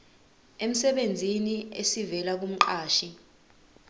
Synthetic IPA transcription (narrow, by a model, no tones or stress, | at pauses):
em̩sɛɓend͡zʱiniesivɛlak̬um̩ǃaːʃi